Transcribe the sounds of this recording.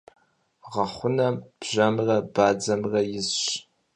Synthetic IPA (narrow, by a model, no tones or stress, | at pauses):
ʁɐχʷʊnɐbʒɐmrɐbaːd͡zɐmrɐjɪzɕ